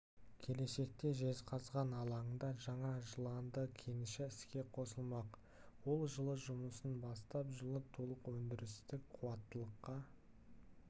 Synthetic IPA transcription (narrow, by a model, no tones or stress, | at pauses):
kʲʰe̞le̞se̞k̚t̪e̞ʒe̞zqʰɑzʁɑnɑlˠɑəɴd̪ɑʒɑɴɑʒəlˠɑnd̪əkʲʰe̞nɪʃɪɪskʲe̞qʰo̞səlˠmɑq | wo̞lˠʒəlˠəʒʊməsənbɑst̪ɑpʒəlˠət̪ʰulˠəqwɵnd̪ɪɾɪst̪ɪk̚qʰuwɑt̪ːəlˠəqːɑ